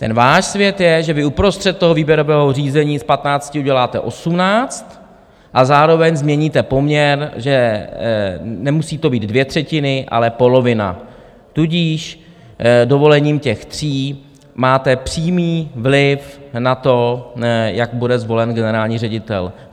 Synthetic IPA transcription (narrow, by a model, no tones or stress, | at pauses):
t̪ɛnvaːʃsvjɛt̪jɛʒɛvɪupɾo̞st̪r̥ɛt̪̚t̪oɦo̞viːbjɛɾo̞vɛːɦor̝iːzɛɲiːspat̪naːt͡scɪuɟɛlaːt̪ɛ̰ʔo̞sumnaːt͡st̪ | ʔazaːɾo̞vɛɲzmɲɛɲiːt̪ɛpo̞mɲɛɾʒɛ | nɛmusiːt̪o̞biːd̪dvjɛt̪r̥ɛcɪnɪʔa̰lɛpo̞lo̞vɪna̰ | t̪uɟiːʃ | do̞vo̞lɛɲiːmcɛxt̪r̝̥iː | maːt̪ɛpr̝̥iːmiːvlɪfnat̪o̞ | jaɡbudɛzvo̞lɛnɡɛnɛɾaːlɲiːrɛɟɪt̪ɛ̰l